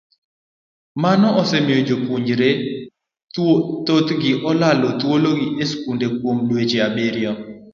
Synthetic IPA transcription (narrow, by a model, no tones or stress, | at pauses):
manɔʔɔsɛmɪjod͡ʒopuɲd͡ʒɾe | t̪ot̪ɡɪʔɔlalɔt̪woloɡɪʔeskundekwomlwet͡ʃeabeɾjɔ